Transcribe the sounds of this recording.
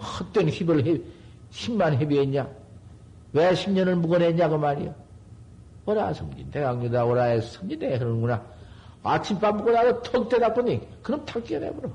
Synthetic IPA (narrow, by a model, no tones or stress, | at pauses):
hʌt͈eŋɕibɯɭɦe | ɕʰimːanɦebiɦeɲa | weɕʰimɲʌnɯɭmuɡʌneɲakɯmaɾḭjo | ʌɾasʰɯmd͡ʑḭndeaŋɲidaoɾaesʰɯmd͡ʑinekɯɾʌnnɡuna | at͡ɕʰimp͈anmuɡʌnaɡotʰʌk̚t͈edap͈uɲikɯnʌmtʰak̚k͈iʌnḛboɾo